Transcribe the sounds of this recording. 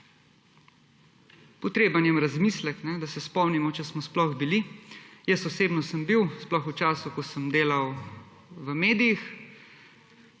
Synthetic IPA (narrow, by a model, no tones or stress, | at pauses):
pɔt̪ɾeːbanjɛmɾazmislɛknɛd̪asɛspɔmnimɔt͡ʃɛsmɔsplɔxbilijɛsɔseːbnɔsəmbiwsplɔxut͡ʃaːsukɔsəmd̪eːlaw | ʋəmeːd̪ijix